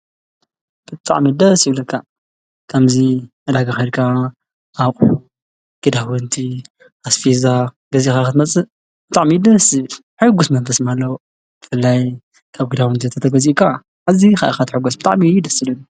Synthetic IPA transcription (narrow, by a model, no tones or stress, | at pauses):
b̥ɨt̪ʼa̰ʕmid̪ɐsjiβlɐkʰːa | kʰɐmzi | ɐd̪aɡaxɐɾkʰa | ʔaχʼu | ɡ̥ɨd̪awɨnt̪ʰi | ʔasfiza | ɡɐzixakɨt̪ʰmɐt͡sʼɨ | b̥ɨt̪ʼaʕmid̪ɐsi | ħɨɡusmɐnfɐsmalːɐw | b̥ɨfɨlːaj | kʰaβɡɨd̪awɨnt̪it̪ʰɐt̪ʰɐɡɐzikʰa | ʔazixaʔaxat̪ħɨɡusbɨt̪ʼa̰ʕmijd̪ɐsilɐnu